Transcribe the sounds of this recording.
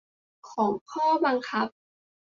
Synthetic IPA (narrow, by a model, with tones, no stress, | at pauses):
kʰɔː˩˦ŋkʰɔː˥˩ba˧ŋkʰa˦˥p̚